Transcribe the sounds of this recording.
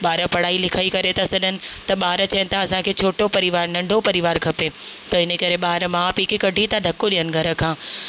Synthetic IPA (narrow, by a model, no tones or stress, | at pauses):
ɓaːɾəpɐɽ̤aːilɪkʰaːikɐɾet̪ʰasɐɗʱənɪ̆t̪ɐɓaːɾət͡ɕɐənɪ̆t̪ʰaɐsãkʰeːt͡ɕʰoːʈopɐɾɪʋaːɾnɐ̃ɳɖʱopɐɾɪʋaːɾkʰɐpet̪ɐɪnəkɐɾeɓaːɦɾəmãːpiːkikɐɖʱit̪ʰaɖʱɐkoɗijənɪ̆ɡʱɐɾə̆kʰãː